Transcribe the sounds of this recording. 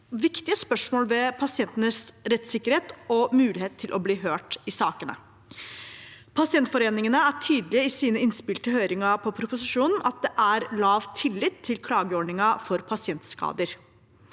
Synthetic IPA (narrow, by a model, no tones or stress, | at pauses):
ʋɪkt̪ɪəspœʂmoːlʋɛpʰɑsɪɛnt̪ənəsɾɛt̪sɪkːəɾheːt̪ɔmʉːlɪheːt̪ʰːɪlʔɔbliːɦøːʈɪsɑːkənə̰ | pʰɑsɪɛnt̪fɔɾeːnɪŋənəæʈʰyːd̪lɪəɪsiːnəɪnspɪlʈ̪əɦøːɾɪŋɑpʰɔpʰɾʊpʊsɪʂuːnn̩ʔɑt̪̚d̪ɛʔæɾlɑːʋt̪ʰɪlːɪt̪ʰːɪlkʰlɑːɡəɔɖɳɪŋɑfɔɾpʰɑsɪɛnt̪skɑ̰ːd̪əɾ